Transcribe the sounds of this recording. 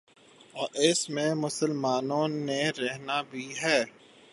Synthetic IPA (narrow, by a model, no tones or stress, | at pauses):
ɔːɾɪsmẽmʊsəlmaːnõneɾɛɦnabʱiɦɛː